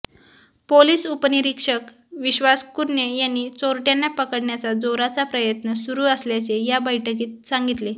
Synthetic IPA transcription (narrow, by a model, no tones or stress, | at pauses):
poliːsupəniɾikʂək | ʋiɕʋaskuɾɳjejanːiːt͡soɾʈjanːjapəkəɽɳjat͡sad͡zoɾat͡sapɾəjət̪nəsuɾuːəsljat͡sejabəjʈʰək̬iːt̪̚sãŋɡit̪le